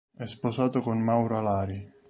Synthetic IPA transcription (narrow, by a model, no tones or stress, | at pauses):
ɛsposaːt̪okonmawɾoalaːɾi